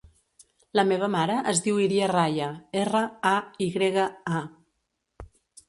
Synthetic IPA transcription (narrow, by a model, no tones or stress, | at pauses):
ləmeβ̞əmaɾəʔəzðiwiɾiarajəerəaiɣɾeɣəa